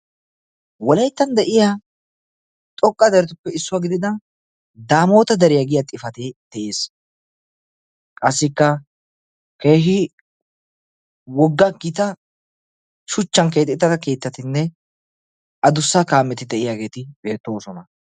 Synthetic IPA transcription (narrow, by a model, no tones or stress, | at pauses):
wɔlɐjt̪ːɐnd̪ɛʔɪja | t̪ʼɔkʼːɐd̪ɛɾɛt̪ʊpːɛɪsːʊwaːɡɪd̪ɪd̪ɐ | d̪aːmo̞ːt̪ɐd̪ɐɾɪjaɡɪjat̪ʼɪfɐt̪eːd̪̥ɛʔe̞ːs | kʼɐsːɪkːɐ | ke̞ːɦɪ | wɔɡːaɡɪt̪ɐ | ʃʊt͡ʃːɐŋke̞ːt̪ʼːɪt̪ːɐt̪ɐke̞ːt̪ːɐt̪ɪnːɛ | ʔɐd̪ʊsːaːkaːmːɛt̪ɪd̪ɛʔɪjaːɡe̞ːt̪ɪb̥e̞ːt̪ːo̞ːsɔnɐ